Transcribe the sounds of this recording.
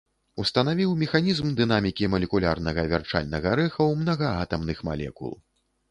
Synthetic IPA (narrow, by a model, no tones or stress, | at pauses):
ust̪ɐnavʲiwmʲɛxanʲizmd̪ɨn̪amʲikʲimɐlʲɛkulʲarnɐɣɐvʲa̰rt͡ʂa̰lʲnɐɣɐɾɛxɐwmnɐɣɐat̪ɐmnɨxma̰lʲɛ̰kṵlˠ